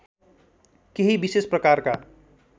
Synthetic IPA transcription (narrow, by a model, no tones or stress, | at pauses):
keɦibisesprʌkaɾka